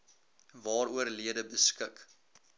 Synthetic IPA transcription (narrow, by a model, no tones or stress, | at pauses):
vɑːɾuərliədəbəskək